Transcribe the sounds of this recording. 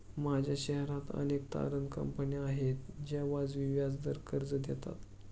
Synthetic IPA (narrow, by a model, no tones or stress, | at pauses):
mad͡ʑʱjaɕɛɦɾat̪ə̰nek̚t̪a̰ɾənkə̰mpəniaɦet̪d͡ʑjaʋad͡zʋiʋjad͡zd̪əɾkʰəɾd͡zəd̪ɛt̪a̰t̪